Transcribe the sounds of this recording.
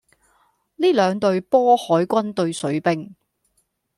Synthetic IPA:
liː˥lœː˨˧ŋt̪ɵ˧ɥpɔː˥hɔː˨˥jkʷɐ˥nt̪ɵ˧ɥsɵ˨˥ɥpɪ˥ŋ

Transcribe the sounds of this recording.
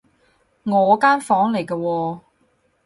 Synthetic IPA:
ŋɔː˨˧kaː˥nfɔː˨˥ŋle˨˩jkɐː˧wɔː˧

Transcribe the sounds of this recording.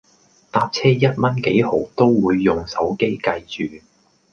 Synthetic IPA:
t̪aː˧p̚t͡sʰɛː˥jɐ˥t̚mɐ˥nke˨˥jho̰˨˥wt̪o˥wwuː˨˧jːʊ˨ŋsɐ˨˥wke˥jkɐ˧jt͡ʃyː˨˩

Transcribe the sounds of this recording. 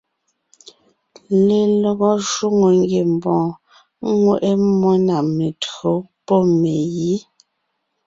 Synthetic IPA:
le˨lɔ˨ɣɔ˦ʃwu˦ŋo˨ŋ˦ɡje˨m˨bɔ̃ː˨˦ | ŋwe˦˨ʔe˦mɔ˦na˨me˨tɰo˨˦pɔ˦˨me˨ji˦

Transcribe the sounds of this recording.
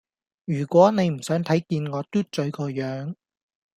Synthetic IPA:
jyː˨˩kʷɔː˨˥ne˨˧jm̩˨˩sœː˨˥ŋt̪ʰɐ˨˥jkiː˧nŋɔː˨˧t̪uː˥t̚t͡ʃɵ˨˥ɥkɔː˧jœː˨˥ŋ

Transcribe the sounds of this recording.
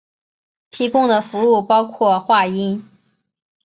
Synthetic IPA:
t̪ʰi˧˥kʊ˥ŋd̪ə˨fu˧˥u˥˩pɑ˥ʊkʰwɔ˥˧xwa˥˩i˥n

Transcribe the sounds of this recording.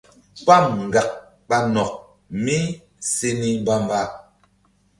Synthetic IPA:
pa˦˨mŋ̩˨ɡa˨k̚ | ɓa˦nɔ˨k̚ | mi˦ | se˦ni˦m˦ba˦m˦ba˦

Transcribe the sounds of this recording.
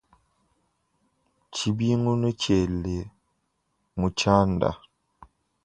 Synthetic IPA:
t͡ʃi˨bi˦ŋu˦no˦ce˨lːe˨ | mu˨t͡ʃaː˦nda̰˨

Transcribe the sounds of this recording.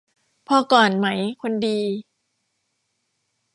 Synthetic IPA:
pʰɔː˧kɔː˨˩nma˦˥jkʰo˧ndiː˧

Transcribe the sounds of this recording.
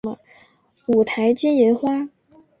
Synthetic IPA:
mə̰˧˩ | u˨˩t̪ʰa˧˥ɪt͡ɕjɛ˥njɛ˧˥nxwa˥

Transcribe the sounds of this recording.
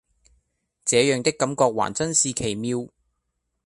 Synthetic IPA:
t͡sɛː˨˥jœː˨˧ŋt̪ɪ˥kːɐ˨˥mkɔː˧k̚wa̰ː˨˩nt͡sɐ˥nsiː˧kʰe˨˩jmiː˧w

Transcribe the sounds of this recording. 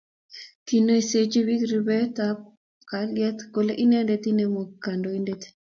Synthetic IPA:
ki˨no˦e˨se˦t͡ʃi˦wi˦kɾi˨bɛ˦t̪a˦p̚ | ka˨ljɛ˦t̪ko˨le˦ʔi˦ne˦nde˦t̪i˦ne˨mo˨kːa˨ndo˨i˦ndet̪i̥˨

